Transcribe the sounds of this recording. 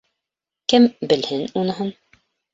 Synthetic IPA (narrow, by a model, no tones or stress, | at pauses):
kɘmbɘ̆lhɘnunɤ̆ɦɤn